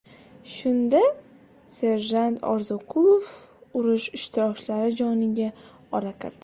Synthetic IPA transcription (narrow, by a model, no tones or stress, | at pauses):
ʃʊnd̪a | se̞ɾʒant̪ʰɒ̰ɾzɒqʰulˠofʊɾɪʃɪʃt̪ʰɪɾɒkʲlaɾɪd͡ʒɒnɪɡʲa | ɒɾaqʰɨɾd̪